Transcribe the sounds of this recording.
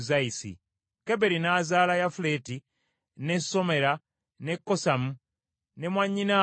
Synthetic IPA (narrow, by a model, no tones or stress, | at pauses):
zaisḭ | ke̞be̞ɾinaːzaːlajafule̞ti | ne̞sːo̞me̞ɾa | ne̞kːo̞samu | ne̞mwaɲːina